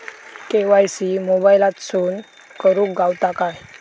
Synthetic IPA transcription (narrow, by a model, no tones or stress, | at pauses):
keʋajsimobajlat̪suːn | kəɾuːkɡawt̪akaj